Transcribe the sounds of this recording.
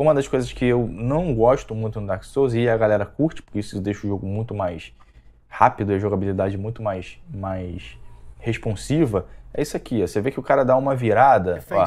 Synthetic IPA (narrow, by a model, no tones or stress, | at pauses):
ũmɐd̪ɐʃkojzɐʃkɪewnɐ̃w̃ɡɔʃt̪ʊmũj̃t̪ʊnʊd̪aksowzɪɐɡalɛɾɐkuɾt͡ʃɪ̥pʊ̥ɾkʲeisʊd̪eʃʊʊʒoɡʊmũj̃t̪ʊmajs | hapid̪ʊiʒoɡabilid̪ad͡ʒɪmũj̃t̪ʊmajʃmajsheʃpõsivɐɛ̰isʊakiɛsevekɪʊkaɾɐd̪aũmɐviɾad̪ɐa